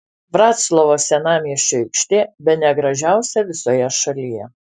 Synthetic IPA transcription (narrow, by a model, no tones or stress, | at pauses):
ʋɾɑːt̪slˠɔʋoːsʲɛnɑːmʲɛʃʲɛɪkʃʲt̪ʲeːbʲɛt̪nʲɛɡɾɐʒʲæˑʊsʲɛʋʲɪsoːjɛʃɐlʲijɛ